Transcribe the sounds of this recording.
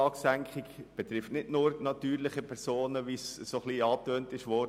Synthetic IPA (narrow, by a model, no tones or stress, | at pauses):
ɑːksæŋkχɪkb̥ɛt̪ɾɪftnɪdnʊːɾnɑt̪yːɾlɪχəpʰɛɾsoːnəʋiːssoχliːɑːtøːntɪʃʋɔ